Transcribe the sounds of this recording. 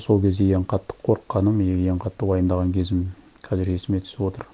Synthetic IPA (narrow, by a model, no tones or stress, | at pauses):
so̞lˠkʲʰe̞zd̪e̞je̞ɴqʰɑt̪ːə̥qʰːo̞ɾqːɑnəmjejeɴqʰɑt̪ːəwɑjənd̪ɑʁɑŋkʲʰe̞zɪm | qʰɑzɪɾe̞sɪme̞t̪ʰʏ̥sɪpwo̞t̪ə̰ɾ